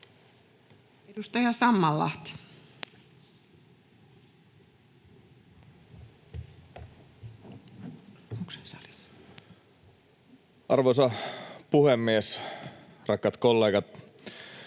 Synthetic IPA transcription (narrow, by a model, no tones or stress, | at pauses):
edust̪ɑjɑsɑmːɑlːɑ̰ht̪i̥ | ukse̥nsɑ̰li̥s | ʔɑrʋosɑpuhemːies | rʔɑkːɑt̪kolːeːɡɑt̪